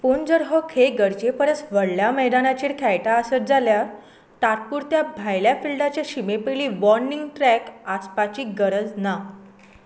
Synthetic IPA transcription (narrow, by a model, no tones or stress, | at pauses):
pund͡zəɾɦəkʰeɡəɾd͡ʑepəɾət͡sʋəɽljamɛɦd̪anat͡ɕiːɾkʰɛjʈaəsət̪̚d͡zaljaɾ | t̪aɾpuːɾt̪jabʱajljafilɖat͡ɕjaɕimepiliːʋɔɾniŋɡʈɾɛkaspat͡ɕiːɡəɾəd͡zna